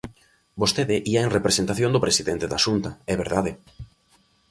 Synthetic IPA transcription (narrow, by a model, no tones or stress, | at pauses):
bost̪eðɪʔiaeŋrepɾesent̪aθjõnd̪oʊpɾesiðent̪eða̰ʃunt̪ɐɛβeɾðaðɪ